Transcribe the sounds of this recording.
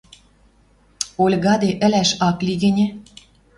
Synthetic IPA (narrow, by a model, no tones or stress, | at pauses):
olʲɣɑd̪eʔə̆læʃɑkliɣɘ̆nʲĕ